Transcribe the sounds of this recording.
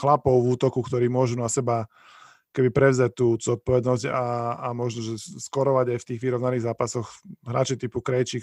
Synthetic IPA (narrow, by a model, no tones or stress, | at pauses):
xlapɔʊvuːt̪ɔkukt̪ɔɾiːmʊɔʒunasɛba | kɔ̥kɛbipɾɛʊzac̚t̪uːzɔt̪̚pɔʋɛd̪nɔzɟaːmɔʒnɔʒɛskɔɾɔʋaɟajft̪iːɣʋiɾɔʊnaniːɣzaːpasɔxɦɾaːt͡ʃit̪ipukɾɛjt͡ʃik